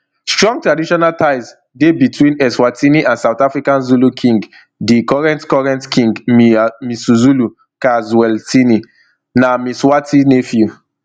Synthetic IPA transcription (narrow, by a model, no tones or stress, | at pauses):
stɹɔ̃ŋɡ̚tɹadiʃɔnaltaɪz | debitwĩnɛswatʰiniʔãnsaʊtafɹikãnzulukʰĩŋɡ | dikɔɹɛ̃ntkɔɹɛ̃ntkĩŋɡmmisuzulu | kazwɛltini | namiswatʰinefju